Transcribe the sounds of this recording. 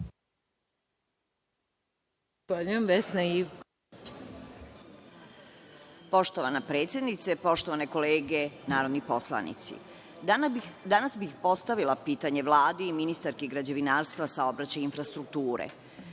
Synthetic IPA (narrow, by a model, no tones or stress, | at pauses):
aʎujemʋesnaiʋk | po̞ʃt̪oʋanapɾet̪sjed̪nit̪sepo̞ʃt̪o̞ʋane̞ko̞leːɡenaːɾod̪nipo̞slˠa̰nḭt̪sḭ | d̪anasbixpo̞st̪aʋilˠapiːt̪aɲe̞ʋlˠaːd̪iiminist̪aɾkeiɡɾad͡ʑe̞ʋinaːɾst̪ʋasao̞bɾat͡ɕajinfɾast̪ɾukt̪uːɾḛ